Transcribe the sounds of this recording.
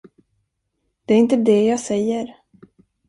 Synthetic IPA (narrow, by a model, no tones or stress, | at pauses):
d̪̥ɛæɾɪnt̪əd̪ɛjɑːɡsɛjːəɾ